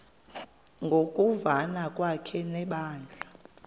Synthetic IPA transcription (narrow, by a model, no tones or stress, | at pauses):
ŋɡʱokʼuvanakʼwakʰɛnɛɓaːnd͡ɮʱa